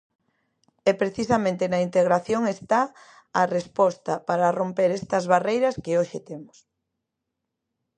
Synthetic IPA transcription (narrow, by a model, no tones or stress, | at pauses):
ɛpɾeθisɐmẽnt̪enɐint̪eɣɾaθjoŋest̪a | ɐrespɔst̪ɐpaɾɐrompeɾest̪ɐzβarejɾɐskeoʃet̪emʊ̥s